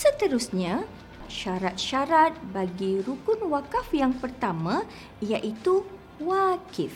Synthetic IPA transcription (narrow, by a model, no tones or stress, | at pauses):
sət̪əɾusɲã | ʃaɾat̪̚ʃaɾat̪̚baɡiɾukʊnwakafjaŋpərt̪amã | ijaʔit̪u | wakif